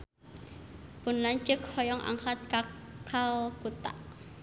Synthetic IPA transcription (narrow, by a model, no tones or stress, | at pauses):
pʊnlaɲt͡ʃəkhɔjɔŋʔa̰ŋxat̪̚kakʰalb̥ut̪a̰ʔ